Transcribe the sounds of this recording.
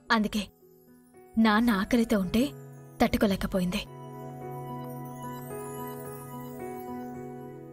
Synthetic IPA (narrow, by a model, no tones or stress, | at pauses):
ɐnd̪uke̞ː | naːnaːkɐlɐt̪oːuɳʈe̞ːt̪ɐʈːukulɛːkːɐpoːjind̪i